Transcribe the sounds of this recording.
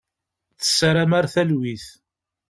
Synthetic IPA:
θə̥sːaɾamaɾθælwiθ

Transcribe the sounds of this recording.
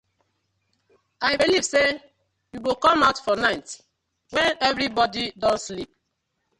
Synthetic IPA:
aɪbiliv̥se | juwekɔ̃maʊtfɔnaɪt | wɛ̃nɛvɹibɔdidɔ̃nslip̚

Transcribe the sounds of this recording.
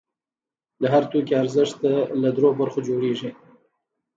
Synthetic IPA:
laɦaɾt̪ukiaɾzəʂt̪alad̪ɾobaɾxod͡ʒoɽeʐi

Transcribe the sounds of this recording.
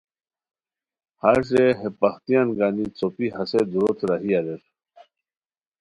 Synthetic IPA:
haɾɕ̬eɦepɐxt̪ijanɡaːnit͡sopihɐsed̪uɾot̪ɾaɦiaɾeɾ

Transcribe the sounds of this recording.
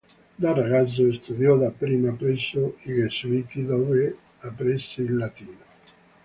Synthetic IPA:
d̪araɡat̪zːoest̪ud̪jɔd̪apːɾiːmapɾɛsːoiɡesuit̪id̪oːve | apɾisːeilːat̪iːno

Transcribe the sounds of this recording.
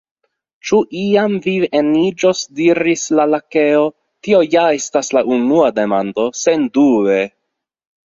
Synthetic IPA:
t͡ʃuʔiamvienid͡ʒo̞sdiɾislalake̞o̞ | tio̞jae̞staslaʔunuade̞mando̞se̞ndue

